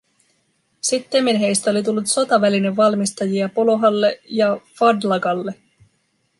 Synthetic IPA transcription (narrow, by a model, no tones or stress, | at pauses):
sit̪ːemːenɦe̞jst̪æo̞lit̪̬ulːut̪so̞t̪ɑʋæline̞ʋːɑlmist̪ɑjiɑpo̞lo̞ɦɑlːe̞jɑfɑdlɑɡɑlːe̞